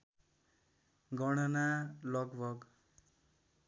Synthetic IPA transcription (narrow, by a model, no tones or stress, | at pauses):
ɡʌɽ̃ʌnalʌɡbʱʌɡ